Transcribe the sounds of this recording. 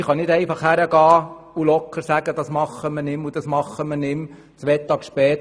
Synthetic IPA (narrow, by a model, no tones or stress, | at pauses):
χɑnɪdɛɪfɑχhæɾəɡɑː | ulɔkʰːəɾsæɡəd̥̪ɑsmɑχəmənɪmud̥̪ɑsmɑχːəmənɪm | t͡sʋɛt̪ːɑːɡʃpɛːt̪